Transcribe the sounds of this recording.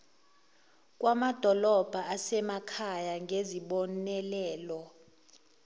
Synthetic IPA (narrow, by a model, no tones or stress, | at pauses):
kʼwamad̥ʱɔlɔb̥ʱaasɛmakʰajaŋʱeziɓɔnɛlɛːlɔ